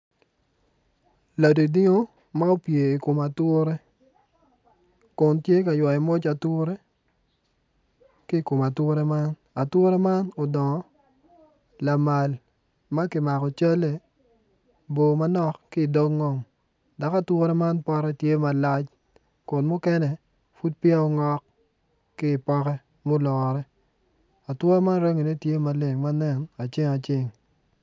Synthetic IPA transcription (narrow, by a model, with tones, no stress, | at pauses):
la˨di˨di˦ŋo˦ | ma˦o˦pje˨i˨ko˨ma˨tʊ˦ɾe˦ | kʊ˨ntje˦ka˨jwa˨i˨mo˦t͡ʃa˨tʊ˦ɾe˦ | ki˦˨ko˨ma˨two˦ɾe˦ma˦n | a˨twʊ˦ɾe˦ma˦no˨dɔ˨ŋɔ˨˦ | la˨ma˨l | ma˦ki˨ma˨kɔ˨t͡ʃa˦le˨ | bo˨ma˦nɔ˦kːɪ˦˨do˦ɡŋɔ˦m | da˨ka˦twɔ˦ɾɛ˦ma˦npɔ˦ɾɛ˦tje˦ma˨la˦t͡ʃ | kʊ˨nmʊ˦kɛ˦nɛ˦ | fu˦d̚pɪ˦a˦ɔ˦ŋɔ˦k | kɪː˦˨pɔ˦kɛ˦ | mo˦lɔ˨ɾɛ˦ | a˨twɔ˦ɾɛ˦ma˦nɾe˦ŋi˨ne˦tje˦ma˦le˨ŋma˦nɛ˦na˨t͡ʃɪ˦ŋa˨t͡ʃɪ˦ŋ